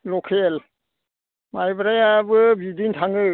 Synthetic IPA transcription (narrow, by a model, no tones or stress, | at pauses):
lɔkʰel | majbɾajabɯbidintʰaŋɯ